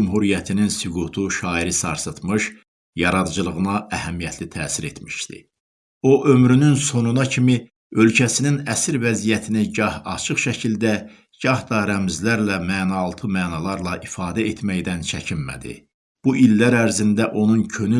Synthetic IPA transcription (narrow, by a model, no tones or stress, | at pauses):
umɦuɾijæt̪ʰininsyɡut̪ʰuʃɑːiɾisɑ̰ɾsɯt̪mɯʃ | jɑɾɑd̪d͡ʒɯlˠɯɣɯnɑʔæhæmijæt̪ʰlit̪ʰæːsiɾet̪ʰmi̥ʃt̪ḭ | o̞ʔømɾynynso̞nunɑcʰimi | ø̞lcʰæsininæsiɾvæzijæt̪ʰiniɟɑhɑt͡ʃʰɯχʃæcʰild̪æ | ɟ̥ɑhd̪ɑɾæmizlæɾlæmæːnɑːlˠt̪ʰɯmæːnɑlˠɑɾlˠɑʔifɑːd̪æet̪ʰmæjd̪ænt͡ʃʰæcʰinmæ̰d̪ḭ | b̥uʔilːæɾæɾzind̪æʔo̞nuncʰøny